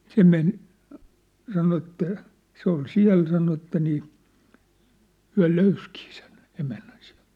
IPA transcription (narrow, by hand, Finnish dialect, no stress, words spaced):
se men sɑno etːæ se ol siæ̝l sɑno ĕtːæ niː hyæ̝ løyskiː sen emænːæn si̥æ̥̝l̥t